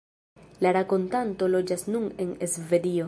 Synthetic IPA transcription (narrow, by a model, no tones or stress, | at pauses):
laɾako̞ntanto̞lo̞d͡ʒasnune̞ne̞sve̞dio̞